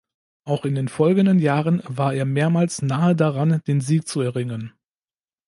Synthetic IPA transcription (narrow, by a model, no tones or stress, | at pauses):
ʔaʊxɪndeːnfɔlɡn̩dənjaːʁənvaːɐʔeːɐmeːɐmaːlsnaːədaʁand̥eːnziːk̚t͡suɛɐʁɪŋən